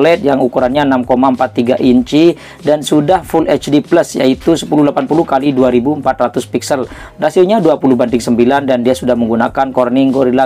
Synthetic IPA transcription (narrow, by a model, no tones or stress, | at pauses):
lɛt̪̚jaŋukuɾanɲaənamkomaəmpat̪ːiɡaʔiɲt͡ʃi | dansudahfulʔɛt͡ʃdiplasja̰it̪usə̥puluhlapanpulukaliduaɾibuəmpat̪rat̪ʊspiksəl | rasioɲaduapuluhbandɪŋsəmbilandandiasudahməŋɡunakankɔrniŋɡɔɾila